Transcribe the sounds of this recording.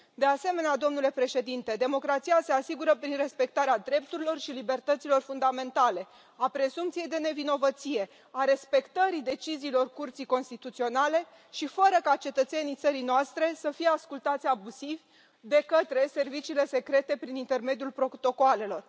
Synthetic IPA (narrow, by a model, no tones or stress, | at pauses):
d̪ease̞me̞nead̪o̞mnule̞pɾe̞ʃe̞d̪int̪e̞d̪e̞mo̞kɾat̪sijase̞asiɡuɾəpɾinre̞spe̞kt̪aɾead̪ɾe̞p̚t̪uɾilo̞rʃilibe̞rt̪ət̪silo̞rfund̪ame̞nt̪ale̞ | apɾe̞sumpt̪sije̞jd̪e̞ne̞vino̞vət̪sije̞ | aɾe̞spe̞kt̪əɾid̪e̞t͡ʃiziːlo̞rkurt̪sijko̞nst̪it̪ut̪sio̞nale̞ | ʃifəɾəkat͡ʃe̞t̪ət̪se̞nijt̪səɾijnoast̪ɾe̞səfije̞askult̪at̪sʲabuzivʲ | d̪e̞kət̪ɾe̞se̞rvit͡ʃiːle̞se̞kɾe̞t̪e̞pɾinint̪e̞rme̞d̪julpɾo̞t̪o̞koale̞lo̞r